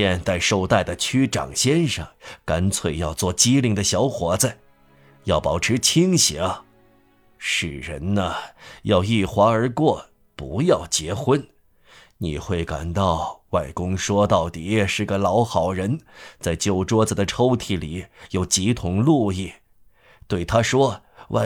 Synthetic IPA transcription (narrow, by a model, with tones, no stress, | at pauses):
ɛ˥˧nt͡sa˥˧ɪʂo˥˧ʊt̪a˥˩ɪd̪ə˩t͡ɕʰy˥ʈ͡ʂɑ̰˨˩ŋɕjɛ˥nʂɑ˥˨˩ŋka˥nt͡sʰwe˧˩ɪjɑ˥˧ʊt͡swɔ˥˩t͡ɕi˥li˧˥ŋd̪ə˧ɕjɑ˧˥ʊxwɔ˧˥t͡sə˧ | jɑ˥˩ʊpɑ˨˩ʊʈ͡ʂʰɻ̩˧˥t͡ɕʰi˥ŋɕjɛ̰˧˥ | ʂɻ̩˨˩ɻə̰˧˥nnə˧jɑ˥˧ʊi˥˩xwa˧˥ə˞˧˥kwɔ˥˩ | pu˧˥jɑ˥˩ʊt͡ɕjɛ˧˥xwə˥n | nḭ˨˩xwe˥˩ɪka̰˨˩nt̪ɑ˥˧ʊwa˥˩ɪkʊ˥ŋʂwɔ˥t̪ɑ˥˩ʊt̪i˨˩ʂɻ̩˥˩ɡə˩lɑ˧˥ʊxɑ˨˩ʊɻə˧˥nt͡sa˥˩ɪt͡ɕjo˥˩ʊʈ͡ʂwɔ˥t͡sə˨˩d̪ə˩ʈ͡ʂʰo˥ʊt̪ʰi˥˩li˨˩jo˨˩ʊt͡ɕi˧˥t̪ʰʊ˧˥ŋlu˥˧i˥˩ | t̪we˥˩ɪt̪ʰa˥ʂwɔ˥ | wʔa̰˧˩